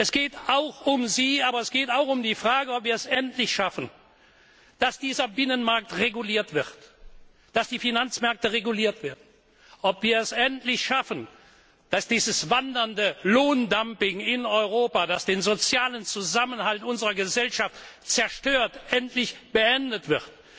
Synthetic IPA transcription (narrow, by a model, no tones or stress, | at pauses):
ʔɛsɡ̥eːtaʊxʊmziːaːbɐɛsɡ̥eːtaʊxʊmdiːfʁ̥aːɡəɔpv̥iːɐɛsɛntʰlɪçʃafən | d̥asd̥iːzɐbɪnənmaɐk̚tʁeɡuliːɐtv̥ɪʁt | d̥asd̥iːfinant͡smɛɐk̚təʁeɡuliːɐtv̥eːɐdn̩ | ʔɔpv̥iːɐɛsɛntlɪçʃafən | d̥asd̥iːzəsvandɐndəloːndampɪŋɪnɔʏʁ̞oːpadasd̥eːnzot͡sjaːlənt͡suzamənhaltʊnzəʁɐɡəzɛlʃaftt͡sɛɐʃtøːɐtʔɛntʰlɪçb̥əɛndətv̥ɪʁt